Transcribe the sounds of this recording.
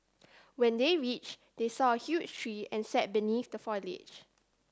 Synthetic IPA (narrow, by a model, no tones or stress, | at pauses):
wɛ̃ndeɹit͡ʃd̥esɔəhjut͡ʃtʰɹiɛ̃nsɛt̚biniθdəfɔlɪ̰d͡ʒ